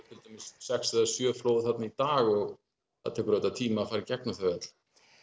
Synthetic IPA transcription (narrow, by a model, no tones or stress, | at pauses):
fɪlt̪ʏmɪssɛksɛðasjœːfloːwɪθat̪nait̪aːɣɔɣ | a̰t̪ʰɛːkʏɾœt̪ːat̪ʰiːmafaːɾɪcɛknaθœɛt̪l̥